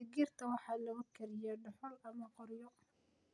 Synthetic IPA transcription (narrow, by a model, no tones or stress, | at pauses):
ɪɡirt̪ʰɐwɑħɑːlɐɣʊkʰɐɾɪjɛɖɔħɔlɐmɐqɔrjɔ